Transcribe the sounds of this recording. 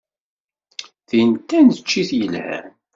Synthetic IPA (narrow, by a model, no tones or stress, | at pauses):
θint̪ːænət͡ʃːiθjəlhæ̰n